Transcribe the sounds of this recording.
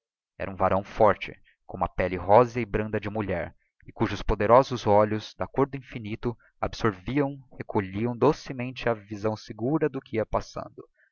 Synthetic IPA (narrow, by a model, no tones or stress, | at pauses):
ɛ̰ɾʔɐũvaɾʔɐ̃w̃fɔɾt͡ʃɪ̰ | kõũmɐpɛlɪɦɔzɐɪbɾɐ̃nd̪ɐd͡ʒɪmuʎɛ̰ɾ | ɪkuʒʊspod̪eɾɔzʊzɔʎʊzd̪akoɾd̪ʊĩfinit̪ʊ | abɪsoɾviɐ̃w̃hekʰoʎiɐ̃w̃d̪osɪmẽnt͡ʃɪɐvizɐ̃w̃sɪɡuɾɐd̪ʊkɪiɐpasɐ̰̃nd̪ʊ